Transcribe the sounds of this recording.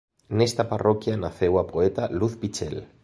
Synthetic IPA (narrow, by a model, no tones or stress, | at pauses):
nest̪aparokjanaθewapoet̪aluθpit͡ʃḛl